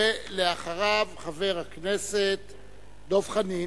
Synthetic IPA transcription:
eleaχaʁavχave̞ʁhakneset̪ | d̪o̞vχani

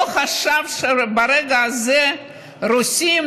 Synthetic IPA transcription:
χaʃavʃebaɾeɡaːzɛ | rusim

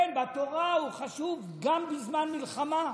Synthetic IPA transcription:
enbat̪oʁauχaʃuv | ɡambizmanmilχama

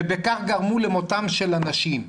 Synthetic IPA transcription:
bekaχɡaʁmulemo̞t̪amʃelanaʃim

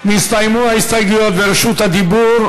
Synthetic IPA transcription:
mĩst̪ajmuajst̪ajɡiɔd̪vɛɾʃut̪ad̪ibuɾ

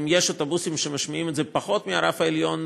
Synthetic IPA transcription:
mjeʃot̪obusimʃemaʃmaimɛt̪zɛpaχo̞t̪miaɾafaeljo̞n

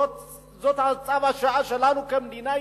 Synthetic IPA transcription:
zot̪at͡sʼabaʃaʔaʃɐlanukɐmndina

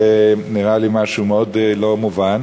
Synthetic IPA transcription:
eniʁalimaʃumeod̪lo̞muvan

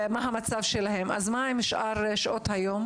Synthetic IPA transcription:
maɦamat͡savʃelaɦema̰zmaimiʃʔaʁʃʔot̪hajom

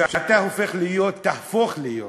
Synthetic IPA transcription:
ʃat̪ahofe̞χlijo̞t̪ːahfoχlijo̰

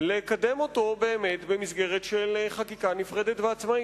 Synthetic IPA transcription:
lekademo̞to̞be̞ːmetbe̞misɡe̞ʁetʃelχakikanifʁed̪etveat͡smai

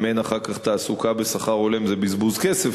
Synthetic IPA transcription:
menaχaʁkaχt̪aːsukabesaχaʁo̞lemzebizbuzkesef

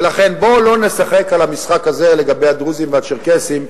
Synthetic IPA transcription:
laχe̞nbo̞lo̞ne̞saχe̞kalamisχakazele̞ɡabe̞jad̪ʁuzimveat͡ʃeʁkesim

